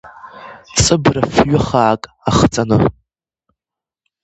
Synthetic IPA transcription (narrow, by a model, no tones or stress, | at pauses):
sʼɨbrafɥʊχaːkʼ | aχt͡sʼanɨ